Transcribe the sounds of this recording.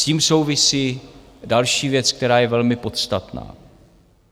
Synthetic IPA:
ciːmso̞wvɪsiː | dalʃiːvjɛt͡sk̚t̪ɛɾaːjɛvɛlmɪpo̞t̪st̪at̪na̰ː

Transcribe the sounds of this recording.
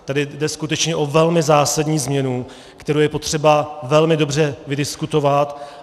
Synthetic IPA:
t̪adɪdɛskut̪ɛt͡ʃɲɛʔo̞vɛlmɪzaːsadɲiːzmɲɛnu | kt̪ɛɾowjɛpo̞t̪r̝̥ɛbavɛlmɪdo̞br̝ɛvɪdɪskut̪o̞vat̪

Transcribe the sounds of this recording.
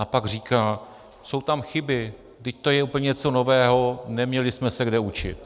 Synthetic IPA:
apaɡr̝iːkaː | so̞wt̪amxɪbɪ | ɡdɪc̚t̪o̞jɛuːpl̩ɲɛt͡so̞no̞vɛːɦo̞nɛmɲɛlɪsmɛsɛɡdɛut͡ʃɪ̰t̪

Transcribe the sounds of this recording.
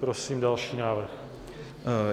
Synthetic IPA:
pɾosiːmdalʃiːnaːvr̩x

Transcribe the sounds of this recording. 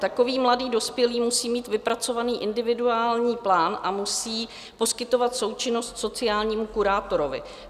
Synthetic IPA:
t̪ako̞viːmladiːdo̞spjɛliːmusiːmiːt̪vɪpɾat͡so̞vaniːʔɪndɪvɪduaːlɲiːplaːnʔamusiː | po̞skɪt̪o̞vat̪so̞wt͡ʃɪno̞st̪so̞t͡sɪaːlɲiːmukuɾaːt̪o̞ɾo̞vɪ̰

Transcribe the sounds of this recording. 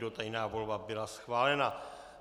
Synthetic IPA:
do̞t̪ajnaːvo̞lbabɪlasxvaːlɛna

